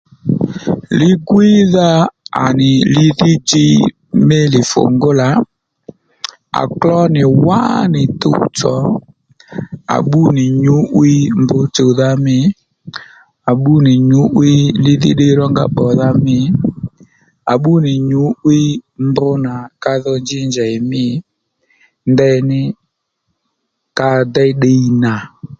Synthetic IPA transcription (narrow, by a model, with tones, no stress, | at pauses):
lɪ˦ɡwi˦ða˦a̰˨nɪ˨lɪ˦ðɪ˦d͡ʒɪ˦ | mɪ˦lɪ˨fʊ̰˨ŋɡʊ˦la˨˦ | a̰˨klɔ˦nɪ˨wa̰˦nɪ˨tʊ̰˦˨t͡sɔ̰˨˦ | a̰˨ɓu˦nɪ˨ɲʊ˨˦ʔwi˦mbʊ˦t͡ʃo˨ða˦mɪ˦ | a˨ɓu˦nɪ˨ɲʊ˨˦ʔwɪ˦lɪ˦ðɪ̰˦ɗe˦ɾɔ˦ŋɡa̰˦ɓɔ˨ða˧mɪ˦ | a˨ɓu˦nɪ˨ɲʊ˨˦ʔwi˦mbʊ˦na˨ka˦˧ðɔ˧nd͡ʒɪ˦nd͡ʒɛ˨ɪ˨mɪ˦ | ndɛ˧nɪ˦ | ka˧dɛ˦ɗe˧i˨na˨